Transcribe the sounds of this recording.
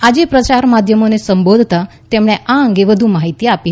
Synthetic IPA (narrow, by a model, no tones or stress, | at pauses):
ad͡ʒepɾət͡ʃaɾmad̪ʱjəmonesəmbod̪ʱt̪a | t̪emɽ̃eʔaəŋɡeʋəd̪ʱũmaɦit̪ijapi